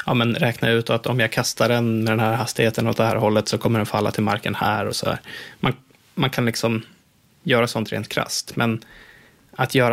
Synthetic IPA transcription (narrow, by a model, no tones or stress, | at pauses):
jɑːmɛnɾɛːknaʉ̟ːt̪ɔat̪ɔmjaɡkʰast̪aɖɛnmɛd̪ɛnhæːɾɦast̪ɪheːt̪ənɔt̪̚d̪ɛhæːɾɦɔlːət̪sɔkʰɔmːəɖɛnfalːa̰t̪ʰɪlma̰ɾkənhæ̰ːɾɔsɔd̪æ̰ːɾman | mankʰanlɪksɔm | jœːɾasɔnt̪ɾḛːnt̪̚kʰɾa̰st̪mɛn | at̪ʰjœːɾa